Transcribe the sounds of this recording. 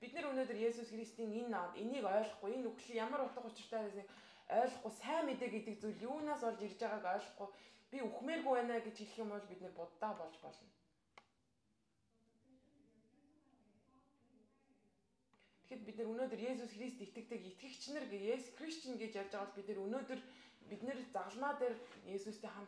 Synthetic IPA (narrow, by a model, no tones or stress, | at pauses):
pit̪̚nɘ̆ɾunoːt̪ɵ̆rjesusxrist̪iːŋenːat̪eniːkœːɮɞ̆χɡujenuxɮĭjamə̆ɾʊt̪ə̆χʊt͡ɕɪ̆r̥t̪ʰœːɾeːsĭk | œːɮɞ̆χɡʊjsæːmet̪eːk̚ɡet̪ɘ̆k̚t͡sujɮjuːnaːsɔɮt͡ɕirt͡ɕaʁaːkœːɮɞ̆χɡʊjpʲiuxmeːpupæːnaːɡet͡ɕxiɮxĭːmʊɮpit̪nɘ̆rpʊt̪ːaːpɔɮt͡ɕpɔ̰ɮɞ̆n | t̪ʰe̥xĕt̪̚pit̪nɘ̆ɾunoːt̪ɵ̆rjeːs̬usxrist̪et̪ɡɘ̆k̚t̪ɘ̆ket̪ɡɘ̆kt͡ɕʰnɘ̆rɡejesxrist͡ɕɪ̆nɡet͡ɕarʲt͡ɕăʁə̆ɮ̚pit̪nɘ̆ɾunoːt̪ɵ̆rpit̪nɘ̆rt͡saʁə̆ɮmaːt̪erjeːsust̪eːŋχam